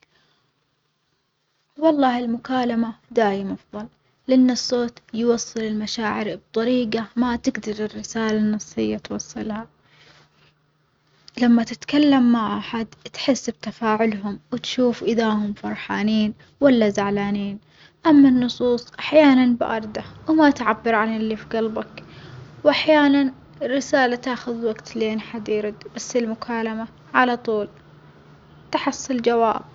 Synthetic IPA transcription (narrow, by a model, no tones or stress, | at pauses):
wɑlˤːɑːhɪlmʊkaːlamad̪aːjɪmʔɑfðˤɑl | lɪʔɪnːɨsːoːt̪jwɑsˤːɨlɪlmaʃaːʕɪɾb̚t̪ˤɑɾiːɡamat̪ɪɡd̪ɑɾɪrːɪsaːlanːɑsˤːɨjːat̪wɑsˤːɨlha | lamːat̪ɪt̪kalːamːaʕʔaħad̪t̪ħɪsːbt̪afaːʕʊlɦʊmwɪt̪ʃuːfʔɪðahʊmfɑɾˤħaːniːn | walːazaʕlaːniːn | ʔamːanːʊsˤuːsˤʔaħjaːnanbɪʔɑɾˤd̪awmat̪ʕabːɪɾʕanɪlːifiɡɑlbakwʔaħjaːnan | rːɪsaːlat̪aːxʊðwaɡt̪leːnħad̪iːɾd̪basːɪlmʊkʰaːlama | ʕalat̪ˤuːl | t̪aħɑsˤːɑld͡ʒawaːb̚